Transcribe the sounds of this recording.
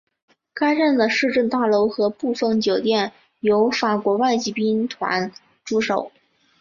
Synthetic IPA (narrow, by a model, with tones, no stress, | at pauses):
ka˥ɪʈ͡ʂa˥˩nd̪ə˩ʂɻ̩˥˧ʈ͡ʂə˥˧nt̪a˥˩lo˧˥ʊxɤ˧˥pu˥˧fɤ˥˩ŋt͡ɕjo˨˩ʊt̪jɛ˥˩n | jo˧˥ʊfa˨˩kwɔ˧˥wa˥˧ɪt͡ɕi˧˥˩pi˥nt̪ʰwa̰˧˥n | ʈ͡ʂu˥ʂo˨˩˦ʊ